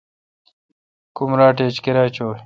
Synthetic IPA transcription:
kumɾaːʈeːt͡ɕkeɾaːt͡ɕoː

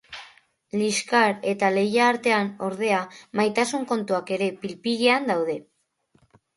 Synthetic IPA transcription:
liskaɾe̞t̪ale̞jaːɾt̪e̞ano̞ɾð̞e̞amajt̪asuŋko̞nt̪uake̞ɾe̞pilpiɣiand̪awð̞e̞

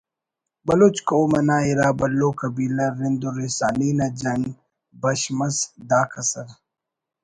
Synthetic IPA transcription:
bɐlot͡ʃkoːmɐnaːiɾaːbɐlːoːkɐbiːlɐɾɪnd̪oɾesaːniːnad͡ʒɐŋ | bɐʃmɐsd̪aːkɐsɐɾ

